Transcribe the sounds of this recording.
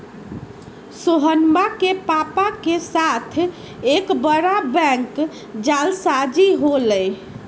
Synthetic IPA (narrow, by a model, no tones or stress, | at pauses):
soɦənbakepapakesat̪ʰ | ekbəɾabɛ̃ŋk | d͡ʒalsad͡ʒiɦoləj